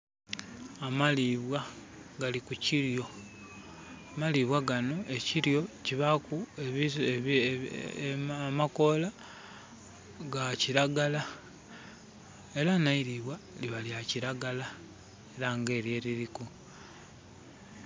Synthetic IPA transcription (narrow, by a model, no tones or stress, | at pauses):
amaliβwa | ɡalikuciɾjo̞ | maliβwaɡano̞ʔe̞ciɾjo̞ciβakue | amako̞la | ɡaciɾaɡala | e̞ɾanaiɾiβwaliβaliaciɾaɡala | eɾaŋɡe̞ːɾje̞ɾiɾiku